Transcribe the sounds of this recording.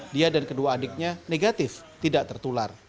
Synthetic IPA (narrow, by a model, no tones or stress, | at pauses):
diadankəduaːdɪk̚ɲaneɡat̪ɪft̪idaʔt̪ərt̪ular